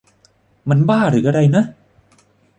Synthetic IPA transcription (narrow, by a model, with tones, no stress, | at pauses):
ma˧nbaː˥˩ɾɯː˩˦ʔa˧ɾa˧jna˦˥ʔ